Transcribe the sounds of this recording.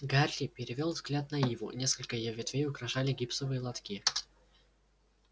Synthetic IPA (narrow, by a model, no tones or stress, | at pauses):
ɡarʲlʲɪpʲɪɾʲɪvʲolˠvzɡlʲat̪̚nɐivʊ̰nʲe̞skəlʲkəjɪjovʲɪt̪vʲejʊkɾɐʂalʲɪɡʲipsəvɨjəlˠɐt̪kʲi